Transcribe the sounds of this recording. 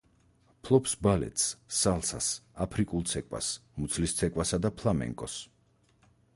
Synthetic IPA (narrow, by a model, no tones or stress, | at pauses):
pʰlˠɔpsbalɛ̰t̪ʰssːalˠsa̰sapʰɾikʼulˠt̪sʰɛkʼwa̰smut̪sʰlist̪sʰɛkʼwasad̪apʰlˠamɛ̰ŋkʼɔs